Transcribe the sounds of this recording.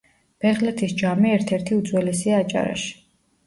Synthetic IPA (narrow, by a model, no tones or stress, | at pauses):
b̥ɛʁlɛt̪ʰisd͡ʒamiɛɾt̪ʰɛɾt̪ʰiud̪zwɛlɛsiaːt͡ʃʼa̰ɾa̰ʃi̥